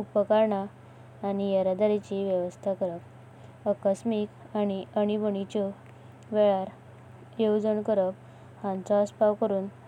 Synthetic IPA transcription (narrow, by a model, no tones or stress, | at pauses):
upəkaɾɳaː | ñijəɾad̪aɾit͡ɕiʋjəʋəst̪ʰakəɾək | əkəsmik | añiʔəɽibəɳit͡ɕɔ | ʋeɭaɾ | jowd͡zəɳkəɾək̚ | hãnt͡saːspaʋkəɾuːn